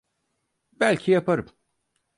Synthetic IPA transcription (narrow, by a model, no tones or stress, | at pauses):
bælʲcʰijapʰaɾɯm